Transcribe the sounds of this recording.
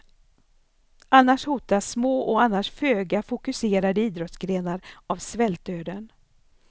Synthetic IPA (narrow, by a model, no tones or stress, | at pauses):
anːaʂhuːt̪asmoːʔɔanːaʂføːɡafʊkɵseːɾad̪əiːd̪ɾɔt̪sɡɾeːnaɾavsvɛlt̪øːɾən